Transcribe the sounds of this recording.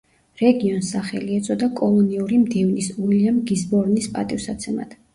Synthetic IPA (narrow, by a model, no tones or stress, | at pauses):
ɾɛɡiɔnsaχɛliɛt̪sʼɔd̪akʼɔlˠɔniuɾimd̪ɛvnisuiliamɡizbɔɾnispʼa̰t̪ʼifsat̪sʰɛma̰d̪̥